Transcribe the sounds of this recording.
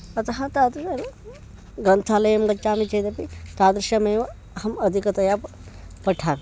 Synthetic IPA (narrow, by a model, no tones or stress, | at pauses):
ɐt̪ɐɦɐ̃t̪ad̪ɾɐ | ɡɾɐnt̪ʰaːlɐjɐmɡɐt͡ʃːaːmit͡ʃɐjd̪ɐpit̪aːd̪ɾʃɐmeːʋɐ | hɐmɐd̪ʱikɐt̪ɐjap | pɐʈʰaːk